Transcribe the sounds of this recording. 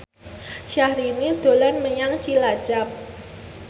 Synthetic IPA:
ʃahɾinid̪̥o̤lanməɲaŋt͡ʃilḁt͡ʃap̚

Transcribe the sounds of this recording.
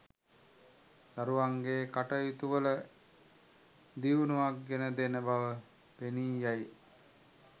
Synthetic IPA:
d̪̥aɾuʋaŋɡeːkaʈəjut̪uʋələ | d̪iʋunuʋak̚ɡenəd̪enəbaʋə | peniːjaj

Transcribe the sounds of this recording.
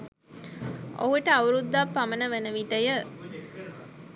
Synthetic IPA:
ʔo̰ɦuʈəaʋuɾud̪ːapːamənəʋənəʋiʈəjə

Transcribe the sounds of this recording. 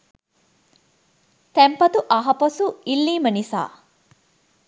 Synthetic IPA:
t̪æmpɐt̪uʔɐɦɐpɐsuilːiːmənisa̰ː

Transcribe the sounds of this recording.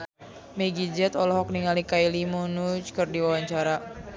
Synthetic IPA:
meɡid͡ʒɛt̪ɔlɔɦɔk̚niŋalikailimunut͡ʃkɨrdiwawaɲt͡ʃaɾa

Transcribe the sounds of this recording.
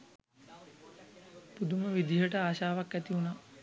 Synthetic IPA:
pud̪uməʋid̪iɦəʈəaːʃaːʋakæt̪iunaː

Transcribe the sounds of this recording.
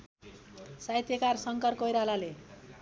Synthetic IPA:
sajt̪jʌkarsʌŋkʌrkojɾalale

